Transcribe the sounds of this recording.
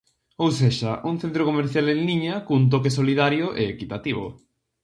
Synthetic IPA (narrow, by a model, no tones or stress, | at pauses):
owseʃaʔuŋθent̪ɾokomeɾθjalẽlniɲakuŋt̪̬okesoliðaɾjoʔeːkit̪at̪iβ̞o̰